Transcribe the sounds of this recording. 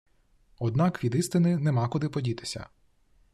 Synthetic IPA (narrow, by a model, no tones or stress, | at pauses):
ɔd̪nɑkʋʲid̪ɪst̪ɪnɪnɛmɑkʊd̪ɪpɔdʲit̪ɪ̥sʲɐ̰